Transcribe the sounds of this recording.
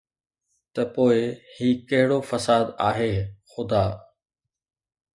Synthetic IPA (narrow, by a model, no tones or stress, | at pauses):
t̪ɐpoːɪhiːkɐɦɪɽoːfəsaːd̪aːɦeːxʊd̪aː